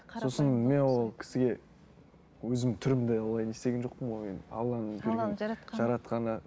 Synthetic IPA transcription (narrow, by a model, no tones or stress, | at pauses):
so̞sənme̞nwolˠkʲʰɪ̥sɪɡʲe̞ | wɵzɪmt̪ʰʏɾɪmd̪eolˠɑjnest̪e̞ɡʲenʒo̞q̚pəmomḛnɑ̰lˠːɑnəbeɾɡenʒɑɾɑt̪qɑnə